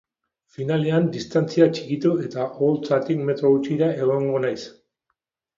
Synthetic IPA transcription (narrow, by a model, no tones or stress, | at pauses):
finale̞and̪ist̪ant͡siat͡ʃi̥kit̪ue̞t̪aʔolt͡sat̪ikme̞t̪ɾo̞ɣut͡ʃiɾae̞ɣ̞o̞ŋɡo̞najs